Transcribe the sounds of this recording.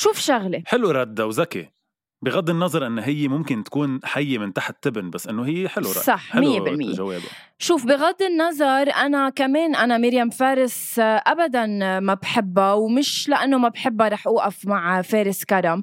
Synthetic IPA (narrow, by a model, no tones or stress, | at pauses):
ʃuːfʃaɣleħɪluɾˤɑd̪ːawzakḛ | bɪɣad̪ˤːɪnːɑzˤɑɾˤʔɪnːoɦɪjːemʊmkɪnt̪ḁkuːnħajːemɪnt̪aħt̪ːɪbnbasːʔɪnːoɦɪjːeħɪluɾsˤɑħmɪjːebɪlmɪ̰jːeʒawḛːb | ʃuːfbɪɣad̪ˤːɪnːɑzˤɑɾˤʔanakameːnʔanamɪɾjamfeːɾɪs | ʔabad̪anmabħɪbːawmɪʃlaʔanːomabħɪbːaɾˤɑːħʔuːʔafmaʕfeːɾɪskaɾˤam